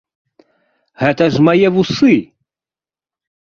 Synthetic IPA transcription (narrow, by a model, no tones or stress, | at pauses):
hæt̪æʒmajɛvusɨ